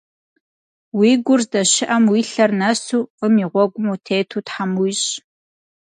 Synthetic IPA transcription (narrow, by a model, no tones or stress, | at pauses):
wiːɡʷʊrzdɐʃɪʔɐmwiːɬɐrnɐsuːqəmiːʁʷɔɡʷʊmɐwtʰeːtʰuːtħamwijɕ